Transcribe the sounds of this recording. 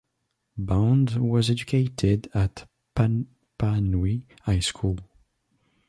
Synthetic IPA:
bãʊ̃ndwʌzɛd͡ʒɨkʰeɪtʰɪdət | p | pʰanwi | aɪskʰulˠ

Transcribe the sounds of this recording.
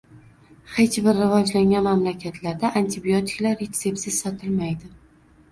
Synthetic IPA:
he̞t͡ʃbɪɾːɪvɒd͡ʒlaŋʲanmamlakʲʰat̪ʰlaɾd̪aʔant̪ʰɪbiot̪ʰɪ̥kʲlaɾet̪se̞psɪzsɒt̪ʰɪlmajd̪ɪ

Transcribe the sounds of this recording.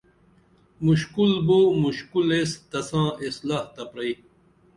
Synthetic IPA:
muɕkulboːmuɕkuleːst̪ɐsãːislaːht̪ɐpɾɐi

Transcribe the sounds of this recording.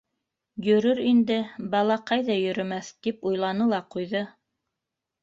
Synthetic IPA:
jɵ̆ɾɵɾind̪ɘbɑlˠɑqɑjðɑjɵ̆ɾɵ̆mæθt̪ipujlˠɑnɤlˠɑqujðɤ

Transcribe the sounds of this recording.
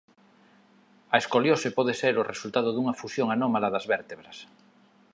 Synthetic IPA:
aeskoljosepɔð̞eseɾorʔesult̪aðoðuŋafusjoŋanomalaðazβeɾt̪eβɾas

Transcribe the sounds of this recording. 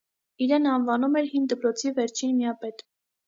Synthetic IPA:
iɾɛnɑnvɑnumɛɾhind̪əpɾɔt͡sʰivɛɾt͡ʃʰinmiɑpɛt̪

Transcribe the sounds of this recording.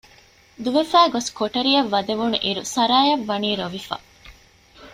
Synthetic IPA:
d̪uʋefæːɡoskoʈɐɾiɐʋːɐd̪eʋunuʔiɾusɐɾaːjɐʋːɐniːɾoʋifɐ̰

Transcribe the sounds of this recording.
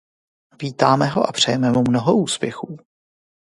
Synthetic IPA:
viːt̪aːmɛɦo̞ʔapr̝̥ɛjɛmɛmumno̞ɦoʔuːspjɛxuː

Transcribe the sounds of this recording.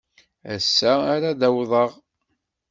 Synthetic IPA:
æ̰sːæːɾaðæwðˤəʁ

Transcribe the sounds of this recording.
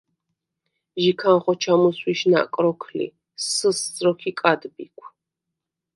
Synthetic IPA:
ʒikʰanχɔt͡ʃʰamuswiʃna̰kʼɾɔkʰlḭ | sɨszɾɔkʰikʼad̪bikʷʰ

